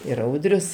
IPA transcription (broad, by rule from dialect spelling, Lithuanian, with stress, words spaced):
ɪr ˈɐʊdʲrʲʊs